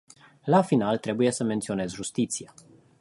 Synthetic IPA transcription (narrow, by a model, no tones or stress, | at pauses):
lafinalt̪ɾe̞buje̞səme̞nt̪sio̞ne̞zʒust̪it̪sia